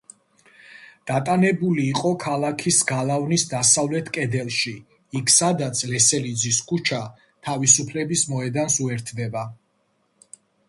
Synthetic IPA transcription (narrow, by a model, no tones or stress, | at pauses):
d̪̥at̪ʼanɛbuliːqʼɔkʰalˠakʰisɡalˠavnisd̪asavlɛt̪ʰkʼɛd̪ɛlˠʃi | ikʰsad̪at̪sʰlɛsɛlid̪ziskʰut͡ʃʰa | t̪ʰavisupʰlɛbismɔɛd̪ansuɛɾt̪ʰd̪ɛba